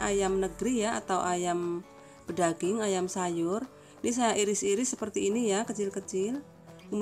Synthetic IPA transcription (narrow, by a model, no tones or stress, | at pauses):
ajamnəɡɾijaa̰t̪awʔajam | pədaɡɪŋajamsajʊr | inis̬ajaʔiɾɪsiɾɪsːəpərt̪iːnijakət͡ʃɪlkət͡ʃɪl | um